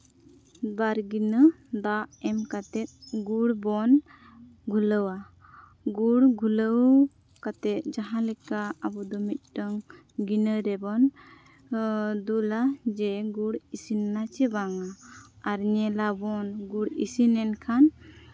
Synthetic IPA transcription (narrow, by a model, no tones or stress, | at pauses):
baɾɡinə | d̪aʔɛmkat̪ɛt̪̚ɡuɽbɔn | ɡʱuləwa | ɡuɽɡʱuləw | kat̪ɛt̪̚d͡ʒaɦãlɛkaabɔd̪ɔmit̪̚ˀʈəŋ | ɡinəɾɛbɔn | d̪ulad͡ʒɛɡuɽisinnat͡ʃɛbaŋaaɾɲɛlabɔnɡuɽḭsinɛnkʰan